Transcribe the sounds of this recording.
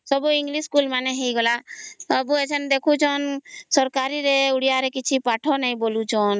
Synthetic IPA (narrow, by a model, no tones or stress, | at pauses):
sɔbuiŋɡliskulmanɛɦejɡɔlaɔbuet͡ʃʰɔnd̪ekʰut͡ʃʰɔnsɔɾkaɾiɾeuɽijaɾekit͡ʃʰipaʈʰɔnaj̃bolut͡ʃʰɔn